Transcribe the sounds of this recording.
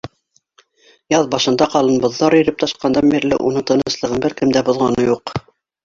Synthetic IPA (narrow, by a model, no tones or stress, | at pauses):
jɑðbɑʃɤ̆nd̪ɑqɑlˠɤ̆nbŏðːɑɾɵ̆ɾɘp̚t̪ʰɑʃqɑnd̪ɑmbiɾlɘ̰ʔṵnɤɴt̪ɤ̆nɤ̆slˠɤ̆ʁɤnbɘɾkɘ̆md̪æbŏðʁɑnɤjuq